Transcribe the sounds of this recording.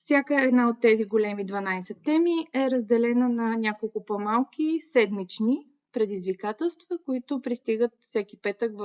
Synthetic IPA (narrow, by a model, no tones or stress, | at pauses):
fsʲjakəɛd̪naot̪ːɛziɡolɛmid̪vɐnajsɛt̪ːɛmiɛɾəzd̪ɛlɛnənɐnʲakolˠkʊpɔmalˠkʲisɛd̪mit͡ʃni | pɾɛd̪izvikat̪ɛlˠst̪vəkoit̪ʊpɾist̪iɡət̪fsɛkʲipɛt̪əkv